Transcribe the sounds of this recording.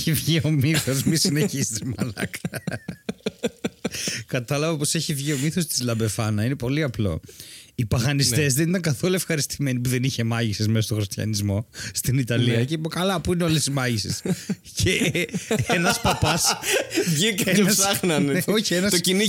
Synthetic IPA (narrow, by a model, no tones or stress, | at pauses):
ivʝio̞miθo̞smisineçist̪imɐlɐ̰kɐ | kɐt̪ɐlɐvɐpo̞se̞çivʝio̞miθo̞st̪i̥zlɐbe̞fɐnɐine̞po̞liɐplo̞̰ipɐɣɐnist̪e̞zðe̞nit̪ɐŋɡɐθo̞luefxɐɾist̪ime̞nipuðe̞niçe̞mɐʝisezmesost̪o̞xɾist̪çɐ̰nizmo̞st̪init̪ɐliɐcepokɐlɐpuineo̞lesizmɐʝises | cʰe | enɐspɐpɐsvʝikɐeɐssɐxnɐneo̞çienɐsocini